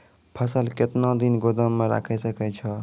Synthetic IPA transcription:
pʰəsəlket̪nõd̪inɡod̪əmːeɾa̰kʰɛsəkɛt͡ʃʰə

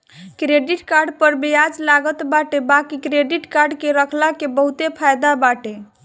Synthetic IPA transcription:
kɾeɖiʈkaɾɖpəɾbijad͡ʒlaɡət̪baʈebakikɾeɖiʈkaɾɖkeɾəkʰlakebəɦut̪epʰajd̪abaʈe

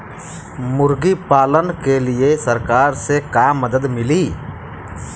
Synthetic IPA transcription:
mʊɾɡipaːlənkeliesəɾkaːɾsekaːmːəd̪əd̪mɪliː

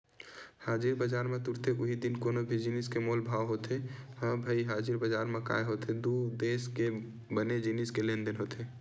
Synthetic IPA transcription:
haːd͡ʒiɾbəd͡ʒaːɾmẽt̪uɾt̪ʰeʔʊɦid̪inkoːnobʱid͡ʒiniskemoːlbʱaːʋɦot̪ʰehə̃ːbʱəiɦaːd͡ʒiɾbəd͡ʒaːɾmẽka̰ːjɦot̪ʰed̪ud̪eːske | bəned͡ʒiniskelẽːnd̪ənɦoːt̪ʰe

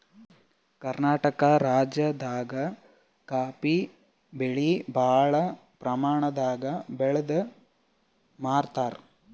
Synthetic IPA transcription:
kɐɾnaːʈɐkɐɾaːd͡ʒjɐd̪aːɡɐ | kaːpi | beɭibʱaːɭɐ | pɾɐmaːɳɐd̪aːɡɐbɛɭɐd̪ɐ | maːɾt̪aːɾ

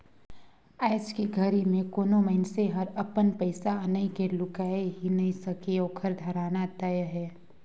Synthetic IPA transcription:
aːɪskiɡʱɐɾimẽkoːnoməɪnseɦɐɾɐpənpəɪsaənəĩkelʊkaːeɦinɐɦĩsɐkeoːkʰəɾd̪ʱɐɾaːnat̪əjɦɛː

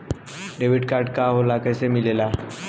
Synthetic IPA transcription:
ɖeʋɪɖkaːɾɖkaɦolakɛsemɪlela

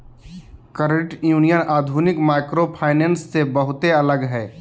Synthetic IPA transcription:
kəɾəʈjuːnijənʔaːd̪ʱuːnɪkmaːkɾopʰaːɪneːnsːebəɦʊt̪eɐləɡɦɛː

